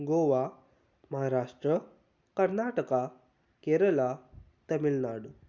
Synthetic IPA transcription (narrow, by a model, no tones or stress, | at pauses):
ɡoʋa | məɦaɾaʂʈɾə | kəɾnaʈəka | keɾəla | t̪əmilnaɽu